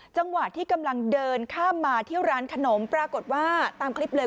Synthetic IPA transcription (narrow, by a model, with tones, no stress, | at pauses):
t͡ɕa˧ŋwa˨˩t̪ʰːiː˥˩ka˧mla˧ŋdɤː˧nkʰaː˥˩mːaː˧t̪ʰi˥˩əwɾaː˦˥nkʰa˧no˩˦mpɾaː˧ko˨˩t̪̚waː˥˩t̪aː˧mkʰli˦˥p̚lɤː˧